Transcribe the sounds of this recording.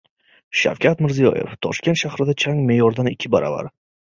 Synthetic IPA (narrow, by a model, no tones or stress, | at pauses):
ʃa̰wkʲʰat̪mɪɾzijɒ̰je̞̰ft̪ʰɒ̰ʃkʲe̞nt̪ʃahɾɪd̪at͡ʃʰaŋme̞jɒɾd̪anɪkʲʰːɪbaɾɒ̰va̰ɾ